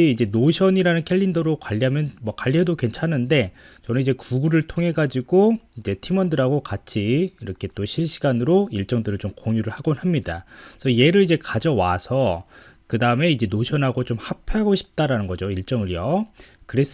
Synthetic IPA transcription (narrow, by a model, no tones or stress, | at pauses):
iid͡ʑe̞noɕʰʌɲiɾanɯnkʰe̞ʎːindʌɾokwaʎːiɦamjʌnmwʌkwaʎːiɦedokwe̞nt͡ɕʰanɯnde̞t͡ɕʌnɯnid͡ʑe̞kuɡuɾɯɭtʰoŋɦe̞ɡad͡ʑiɡoid͡ʑe̞tʰimʌndɯɾɦaɡokat͡ɕʰiːɾʌkʰe̞t͈oɕʰiɭɕ͈iɡanɯɾoiɭt͡ɕ͈ʌŋdɯɾɯɭt͡ɕomkoŋjuɾɯɭhaɡonɦamɲidasʰʌje̞ɾɯɾid͡ʑe̞kad͡ʑʌwasʰʌkɯdaɯme̞id͡ʑe̞noɕʰʌnɦaɡot͡ɕomhapʰeɦaɡoɕʰi̥p̚t͈aɾanɯnɡʌd͡ʑoiɭt͡ɕ͈ʌŋɯɾjʌkɯɾe̞s